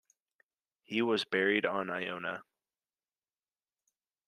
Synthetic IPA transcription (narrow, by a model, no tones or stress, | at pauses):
hiwʌzbɛɹiɾn̩aɪõʊ̃nə̰